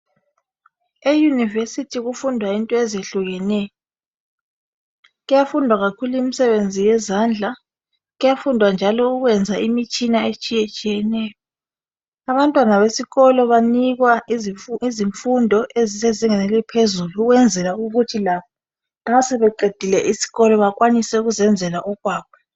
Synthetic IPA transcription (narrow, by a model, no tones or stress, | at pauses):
ejunivesitʰiɣufundʱwaintʼɔezieɬuɣɛnɛːjɔ | ɣujafundʱwaɣakʰuluimisɛβend͡zʱijɛzand͡ɮʱa | ɣujafundʱwand͡ʒʱalɔuɣwɛnd͡zʱaimit͡ʃʼinaet͡ʃʼijɛt͡ʃʼijɛnɛːjɔ | aβantʼwanaβesiɣɔlɔβaniɣwa | iziɱfundʱɔʔeziseziŋɛnɛlipʰezuluːɣwɛnd͡zʱɛlauɣutʰilaβɔ | nasɛβɛǃed̥ʱilɛʔisi̥ɣɔlɔβak̬ʼwanisɛuɣuzɛnd͡zʱɛlaʔɔɣwaːp̚ʰɔ̥